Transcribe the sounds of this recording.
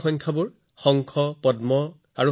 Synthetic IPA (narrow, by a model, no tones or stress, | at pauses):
xɔnkʰabʊɹ | xɔŋkʰɔpɔdmɔ | aɹu